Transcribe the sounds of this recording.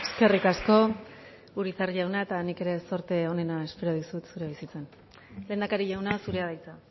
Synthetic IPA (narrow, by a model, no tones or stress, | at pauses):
e̞ske̞rikasko̞ | uɾit͡sarʎawnae̞t̪anike̞ɾe̞so̞ɾt̪e̞o̞ne̞nae̞spe̞ɾo̞ðusut̪suɾeβ̞isit͡se̞n | le̞ːnd̪akaɾiʎawnasuɾe̞að̞ajt͡sa